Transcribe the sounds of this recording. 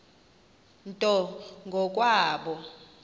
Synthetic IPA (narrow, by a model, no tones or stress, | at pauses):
ntʼɔŋɡʱɔkʼwaːɓɔ